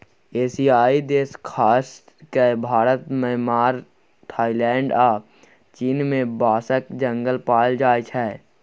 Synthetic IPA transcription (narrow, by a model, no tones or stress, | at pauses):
eːsiːaːid̪eːskʰaːs | kebʱaːɾət̪məɦmaːɾ | t̪ʰaːilɛːɳɖaː | t͡ʃiːnmẽbaːsəkd͡ʒə̃ŋɡəlpaːld͡ʒaːjt͡ʃʰɛ